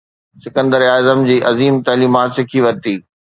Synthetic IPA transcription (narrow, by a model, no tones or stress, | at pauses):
sɪkə̃nd̪əɾiaːzəmd͡ʑiːʔɐziːmt̪ɐːliːmaːt̪sɪkʰiʋɐɾt̪iː